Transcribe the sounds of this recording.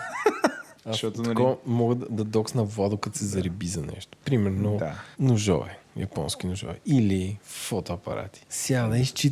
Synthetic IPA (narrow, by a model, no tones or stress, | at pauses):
ɐɔt̪kɔmɔɡəd̪d̪ɐd̪ɔksnɐvad̪ʊkɐt̪sɛzɐɾibizɐnɛ̰ʃt̪o̥pɾimɛɾnod̪anʊʒɔ̰vɛjɐ̰pɔ̰nsk̟inʊʒɔ̰vɛ̰ilifɔt̪oɐpɐ̰ɾa̰t̪i̥sjad̪ɐiʃt͡ʃi